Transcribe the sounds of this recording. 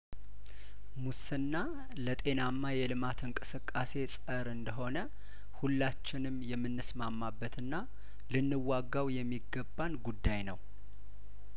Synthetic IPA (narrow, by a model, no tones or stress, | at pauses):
musɨnːa | lət̪ʼe̞namːajɛlɨmat̪ɨŋkʼɨsɨkʼːase̞sʼəɾɨnd̪əɦo̞nə | hulːat͡ʃːɪnɨmjɛmːɨnːɨsmamːabːət̪ʰɨnːa | lɨnːɨwaɡːawjɛmːiɡəbːanɡud̪ːajnəw